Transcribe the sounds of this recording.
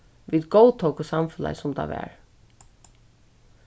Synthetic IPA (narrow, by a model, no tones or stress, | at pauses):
ʋid̪ɡowt̪ʰowkʊsamfʏla̰sʊmt̪ʰɑ̰ʋɛ̰ɹ